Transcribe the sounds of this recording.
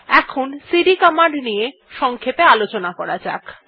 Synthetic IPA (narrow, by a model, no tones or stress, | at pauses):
ɛkʰonsiɖikɔmaɳɖnije | ʃɔŋkʰepealot͡ɕonakɔɾad͡ʑa̰k